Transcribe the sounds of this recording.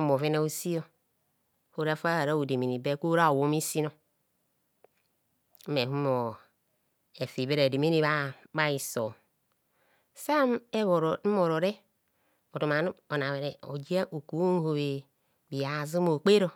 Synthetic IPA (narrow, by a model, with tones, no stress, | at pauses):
mo˨ve˦na˦o˦si˦jo˦ | ho˦ɾa˦fa˦ha˨ɾa˦o˨de˨mi˨ni˨be˦ko˦ɾa˦o˨wo˦mi˦si˦no˦ | me˨ɦu˦mo˨ | e˨fi˨be˦ɾe˨de˨mi˦ni˦βa˦ba˦i˨so̰˨ | sa˦me˦βo˨ɾ̩˨˦mo˨ɾo˨ɾe˦ | o˨to˨ma˨n˦o˨na˨βe˨ɾe˨o˨d͡ʒi˦a˦ʔo˨ku˨˦n˦ho˨βe˨ | bi˨a˨zu˦mo˨k͡pe˦ɾo˦